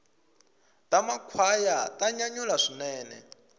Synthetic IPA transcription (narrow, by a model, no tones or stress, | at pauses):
tamakʰwajataɲaɲulaʂinɛːnɛ̰